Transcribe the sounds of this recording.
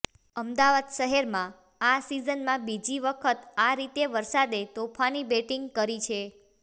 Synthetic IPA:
əmd̪aʋad̪ʃəɦɛɾmã | asizənmãbid͡ʒiʋəkʰət̪aɾit̪eʋəɾsad̪et̪opʰanibeʈiŋɡkəɾit͡ʃʰe

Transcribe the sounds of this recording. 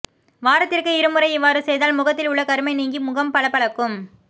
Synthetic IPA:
ʋaːɾɐt̪ːɪrkɯɪɾɯmɯɾɐɪɪʋːaːɾɯsɛjðaːlmʊɣɐt̪ːɪlʊɭːɐkɐɾɯmɐɪniːŋɡimʊɣɐmpɐɭɐpːɐɭɐkːɯm

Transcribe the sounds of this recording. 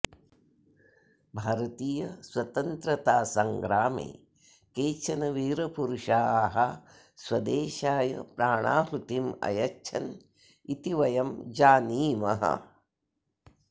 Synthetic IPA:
bʱaːɾɐt̪iːjɐswɐt̪ɐnt̪ɾɐt̪aːsɐŋɡɾaːmḛː | keːt͡ʃʰɐnɐʋiːɾɐpuɾuʂaːɦɐ | swɐd̪eːʃaːjɐ̰pɾaːɳaːɦut̪imɐ̰jɐt͡ʃʰɐn | it̪iʋɐjɐmd͡ʒaːniːmɐɦɐ̰

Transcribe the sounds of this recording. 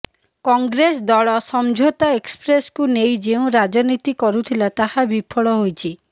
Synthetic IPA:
kɔŋɡɾes̬d̪ɔɭɔsɔmd͡ʒʱot̪aekspɾeskunejd͡ʒeũɾad͡ʒɔnit̪ikɔɾut̪ʰilat̪ahabipʰɔɭɔɦojt͡ʃʰi

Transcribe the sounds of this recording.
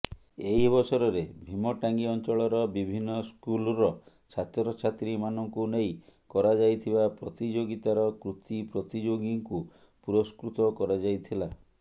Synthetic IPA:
eɦibɔsɔɾɔɾebʱimɔʈaŋɡiɔnt͡ʃɔɭɔɾɔbibʱinːɔskulɾɔ | t͡ʃʰat̪ɔɾɔt͡ʃʰat̪ɾimanɔŋkunejkɔɾad͡ʒajt̪ʰibapɾɔt̪id͡ʒoɡit̪aɾɔkɾut̪ipɾɔt̪id͡ʒoɡiŋku | puɾɔskɾut̪ɔkɔɾad͡ʒajt̪ʰila

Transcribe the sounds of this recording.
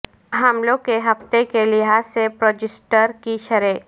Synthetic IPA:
ɦɐmlõkeɦɐft̪ekelɪɦaːepɾoːd͡ʒɪsʈəɾkiʃɐɾeː

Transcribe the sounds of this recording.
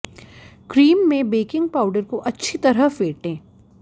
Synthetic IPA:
kɾiːmːẽbeːkɪ̃ŋɡpaːʊɖəɾkoʔɐtːʃʰit̪ɐɾəfeːʈẽː

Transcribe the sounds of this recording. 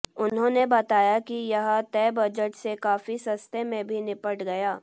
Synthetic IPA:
ʊnɦõːnebɐt̪aːjakijɐɦt̪ɛːbɐd͡ʒəʈsekaːfisɐ̃st̪emẽbʱinɪpəʈɡɐjaː

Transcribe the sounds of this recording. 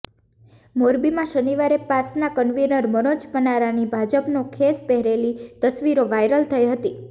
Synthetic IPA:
moɾbimãʃəniʋaɾepasnakənʋinəɾmənod͡ʒpənaɾanibʱad͡ʒəpnokʰespɛɦɾelit̪əsʋiɾoʋajɾəlt̪ʰəjɦət̪i

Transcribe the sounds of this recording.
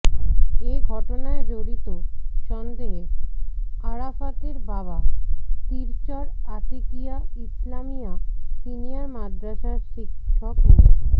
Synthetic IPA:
eɡʱɔʈonaed͡ʑoɽit̪oʃɔnd̪eɦe | aɾafat̪eɾbabat̪iɾt͡ɕɔɾaʈikijaislamijasinijaɾmad̪ɾaʃaɾʃikʰːɔk

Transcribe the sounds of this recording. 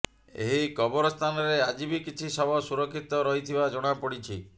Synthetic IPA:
ḛɦikɔbɔɾɔst̪ʰanɔɾead͡ʒibikit͡ʃʰisɔbɔsuɾɔkʰːit̪ɔɾɔɦit̪ʰibad͡ʒɔɽ̃apɔɽit͡ʃʰi

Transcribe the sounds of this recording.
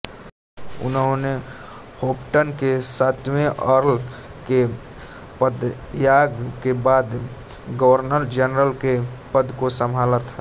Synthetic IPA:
ʊ̰nõne | hopʈənkesat̪ʰmẽʔəɾl | ke | pəd̪ | jaɡkebaːd̪ | ɡəwəɾnəɾd͡ʒənɾəlkepəd̪ʱkosəmʱalət̪ɦa

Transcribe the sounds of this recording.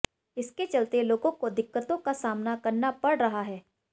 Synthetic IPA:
ɪsket͡ʃɐlt̪eloːɡõkod̪ɪkːət̪õkasaːmnakɐɾnapɐɽɾɐɦaɦɛː

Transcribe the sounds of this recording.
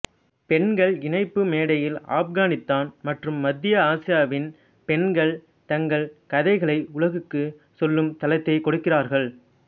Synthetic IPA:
pɛnɡɐɭɪnɐɪpːɯmeːɽɐjɪla̰ːpɡaːnɪt̪ːaːnmɐʈrɯmːɐd̪ːɪjɐaːsɪjaːʋɪn | pɛɳɡɐɭ | t̪ɐŋɡɐɭkɐðɐɪɣɐɭɐɪʊɭɐɣɯkːɯ | sɔlːɯmt̪ɐlɐɪt̪ːɐɪkɔɽɯkːɪraːɾɣɐɭ

